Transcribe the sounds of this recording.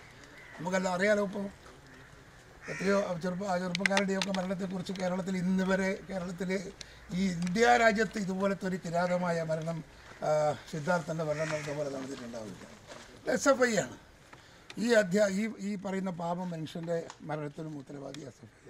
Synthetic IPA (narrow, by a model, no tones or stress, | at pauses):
nɐmukːɐlːaɐrijaːlɐup̬ːɐm | ɐt̪ːijoːt͡ɕerpːt͡ɕerp̬ːɐk̬ːaːɾiɽejok̬ːe̞mɐɾɐɳɐt̪ːek̬urit͡ɕːɨke̞ːɾɐɭɐt̪̬ːilinːɨʋɐɾe̞ke̞ːɾɐɭɐt̪ːil | iːind̪jaːɾaːd͡ʑjɐt̪ːɨiðubo̞ːle̞t̪ːoɾik̪iɾaːɣɐmaːjɐmɐɾɐɳɐm | sid̪ʱːaːrt̪ːɐnd̪ɨmɐɾɐɳɐmɐpːɐpolɐðaːɳɐðinːuɳɖa̰ːʋunːḭlːa̰ | d̪esɐfɐjjaːɳɨ | iːɐd̪ʱjaiːiːpɐrɐjunːɐpaːbɐmːɐnʂɐnde̞mɐɾɐɳɐt̪ːinumuːt̪ːɐlɐʋa̰ːd̪ja̰sɐfɐj